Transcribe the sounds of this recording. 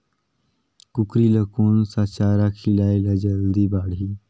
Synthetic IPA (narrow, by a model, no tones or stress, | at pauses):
kʊkɾiləkoːnsat͡ʃaːɾakʰɪlaːelad͡ʒəld̪ibaːɽɦiː